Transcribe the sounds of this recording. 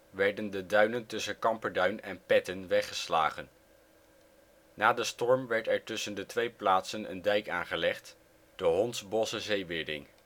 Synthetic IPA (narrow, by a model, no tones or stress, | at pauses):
ʋɛɹdəndədœɥnəntɵsənkɑmpəɹdœɥnɛnpɛtənʋɛχəsla̰ːχən | naːdəstɔɹmʋɛɹtɛɹtɵsəndətʋejplaːtsənə̰ndɛjkaːnχəlɛχt | d̥əɦɔntsbɔsəzejʋɪɹdɪ̰ŋ